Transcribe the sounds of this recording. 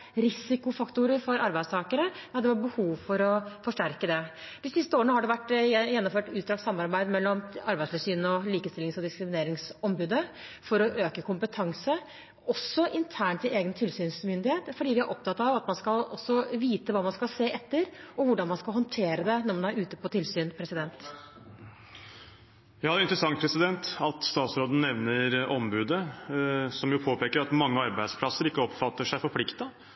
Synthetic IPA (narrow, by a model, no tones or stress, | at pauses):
ɾɪsɪkʊfɑkt̪ʊɾəɾfɔɾɑɾbæɪst̪ʰɑːkəɾəɑd̪ɛʋæʈ̚bəhuːʋfɔɾɔfɔʂʈæɾkəd̪ɛ | d̪ɪsɪst̪əoːɾənəhɑɖɛʋæʈːjɛnːɔmføːʈʉːt̪d̪ɾɑːɡ̪sɑmːɑɾbæɪd̪mɛlːɔmɑɾbæɪsɛsyːnəɔliːkəst̪ɪlːɪŋsɔd̪ɪskɾɪmɪneːɾɪŋsɔmbʉːd̪əfɔɾɔʔøːkəkʰʊmpət̪ʰɑŋsə | ɔsːɔʔɪnt̪ʰæːɳʈ̪ʰɪleːɡənt̪ʰɪlsyːnsmʏnd̪ɪheːt̪fɔɖiːʋɪæɾʔɔp̚t̪ɑt̪ːɑʋɑt̪mɑnskɑlɔsːɔʋiːt̪əʋɑːmɑnskɑlseːʔɛt̪ːəɾɔʋʊɖɑnmɑnskɑlɦɔnt̪ʰeːɾəd̪ɛnɔɾmɑnæɾʉːt̪əpʰɔt̪ʰɪlsyːnpʰɾɛsɪd̪ɛnt̪ | jɑːd̪ɪnt̪ɾəsɑŋt̪pʰɾɛsɪd̪ɛnt̪ɑt̪st̪ɑːt̪sɾoːd̪ənɛʋnəɾʔɔmbʉːd̪ə | sɔmjʊpʰoːpʰeːkəɾɑt̪mɑŋːəɑɾbæɪd̪spʰlɑsəɾɪkːəɔpfɑt̪ːəʂæɪfɔɾpʰlɪkt̪ɑ